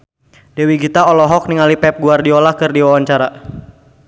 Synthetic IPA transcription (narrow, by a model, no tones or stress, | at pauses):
d̥ɛwiɡit̪aɔlɔɦɔk̚niŋalipɛp̚ɡuardiolahkɨrdiwawaɲt͡ʃaɾa